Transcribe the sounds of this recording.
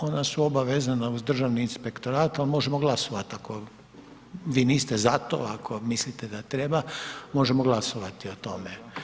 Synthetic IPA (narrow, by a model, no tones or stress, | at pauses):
o̞nasuobaʋezanauzd̪r̩ʒaʋniːnspe̞kt̪o̞ɾaːt̪almo̞ʒemoɡlˠaso̞ʋat̪ako̞ | ʋiːniːst̪ezat̪o̰akʰo̞mislit̪ed̪at̪ɾe̞bamo̞ʒe̞moɡlˠaso̞ʋat̪io̞t̪o̞me